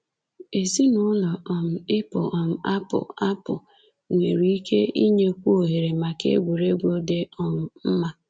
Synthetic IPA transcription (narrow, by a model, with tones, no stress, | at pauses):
e˨si˦nʊ˦nɔ˨ɔ˨m̩˨ɪ˦pʊ˨ɔ˨m̩˨a˦pʊ̰˨a˦pʊ̰˨ | ŋʷe˨ɾi˦i˦kʰe˦i˦ɲe˦kʷu˦o˨ɦe˨ɾe˨ma˨kḛ˦ɡʷu˨ɾe˦ɡʷo˦de˦ɔ˨m̩˨m̩˦ma˦